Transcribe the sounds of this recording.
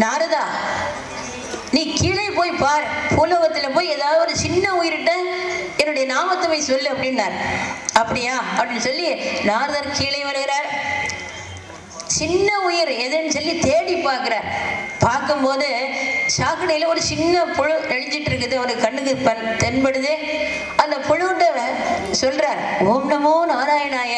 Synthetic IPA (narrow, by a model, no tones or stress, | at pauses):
naːɾɯðaː | niːkiːɭɐɪpoːjpaːɾpʰuːlɐɣɐt̪ːɪlɐpoːjɛðaːʋðɯðɔðɯt͡ʃɪnːɐʊjɪɾɯʈːɐɛnːɯɽɐjɐnaːmɐt̪ːɐmɐɪsɔlːɯɐpːɐɽɪnːaːɾɐpːɐɽɪjaːɐpːɐɽɪnːɯsɔlːinaːɾɯðaːɾkiːɭɐɪʋɐɾɯɣɪɾaːɾ | t͡ʃɪnːɐʊjɪɾɛðɯnːɯsɔlːit̪eːɽipːaːɾkɪɾaːɾpaːɾkɯmpoːðɯsaːkːɐɳɐjɪlɐɔɾɯt͡ʃɪnːɐpʊɻɯɛɻɯɲd͡ʒɪʈːɪɾɯk̬ːɐðɯɐʋɐɾkɐɳːɯɣɯpːɐnt̪ɛnpɐɽɯðɯ | ɐnd̪ɐpʊɻɯʈːɐɐsɔlɾaːɾoːmnɐmoːnaːɾaːjɐnaːjɐ